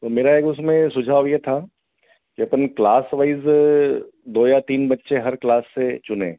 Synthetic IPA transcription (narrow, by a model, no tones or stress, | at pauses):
t̪oːmeːɾaeːkʊsmẽsʊd͡ʒʱaːʋjet̪ʰa | kiɐpənklaːsʋaiz | d̪oːjat̪iːnbɐtːʃeɦɐɾklaːsːet͡ʃʊnḛ̃ː